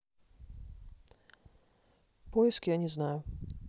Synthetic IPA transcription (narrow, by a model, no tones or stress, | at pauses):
pɔjɛskʲijanʲɛznaju